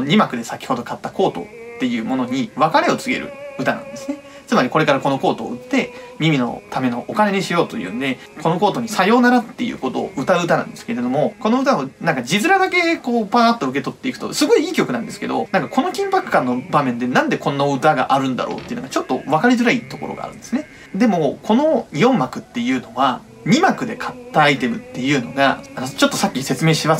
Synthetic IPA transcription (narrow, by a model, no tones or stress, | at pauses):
ɲ̟imakɯ̟d̪e̞sakʲi̥ho̞d̪o̞kat̪ːako̞ːt̪o̞̰t̪ːe̞jɯ̟ːmo̞no̞ɲ̟iβakaɾʲe̞o̞t͡sɨɡe̞̰ɾɯ̰ɯ̟t̪anã̰nd̪e̞sɨne̞ | t͡sɨmaɾʲiko̞ɾe̞kaɾako̞no̞ko̞ːt̪o̞̰ːɯ̟t̪ːe̞mʲimʲino̞̰t̪ame̞no̞ʔːkane̞ɲiɕijo̞ːt̪o̞jɯ̟ːnod̪e̞ | ko̞no̞ko̞ːt̪o̞ɲ̟isajo̞ːnaɾat̪ːe̞̰jɯ̰ːko̞t̪o̞̰ːʔɯ̟t̪aɯɯ̟t̪anã̰nd̪esɨ̥ke̞ɾe̞d̪o̞mo̞ko̞no̞ɯ̟t̪aonãŋkad͡ʑizɨɾad̪ake̞koːpaat̪ːoɯ̟k̬e̞t̪o̞t̪ːe̞ikɯ̥t̪o̞̰sɨɡo̞iiːkʲo̞kɯ̟nãnd̪e̞sɨ̥ke̞d̪o̞̰nãŋkako̞no̞kʲĩmpakɯ̥kːãnːo̞bamẽ̞nd̪e̞nãnd̪e̞kõ̞nːaɯ̟t̪aɡa̰ʔaɾɯ̟̃nd̪a̰ɾo̰ːt̪e̞jɯ̟nɡat͡ɕo̞t̪ːo̞βakaɾʲizɨɾait̪o̞ko̞ɾo̞̰ɡa̰ɾɯ̟nd̪esɨne̞ | d̪e̞mo̞kʰo̞no̞jõ̞mːakɯ̟t̪ːe̞jɯ̟ːno̞βa | mʲimakɯ̟d̪e̞kʰḁt̪ːaːit̪e̞mɯ̟t̪ːe̞jɯ̟ːno̞̰ɡa̰ano̞t͡ɕo̞t̪ːo̞sakʲːise̞t͡sɨme̞ːɕima